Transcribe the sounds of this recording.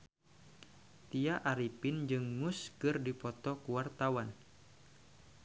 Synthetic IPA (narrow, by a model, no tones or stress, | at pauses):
t̪iaʔaɾipɪnd͡ʒɨŋːuskɨrdipɔt̪ɔkuwart̪awan